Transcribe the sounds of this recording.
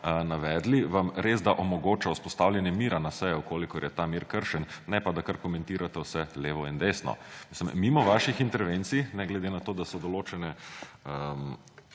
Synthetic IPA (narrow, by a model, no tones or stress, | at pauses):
naʋɛːd̪liʋamɾeːzd̪aʔomɔɡoːt͡ʃauspɔst̪awljɛnjɛmiːɾanasɛjɔukoːlikɔɾjɛt̪amiːɾkəɾʃɛnːɛpad̪akaɾkomɛ̃nt̪iːɾat̪ɛwsɛleːʋɔind̪eːsnɔ̰misəmːimɔʋaʃixint̪ɛɾʋent̪sinɛɡlɛd̪enat̪oːd̪asɔd̪ɔloːt͡ʃɛnɛəm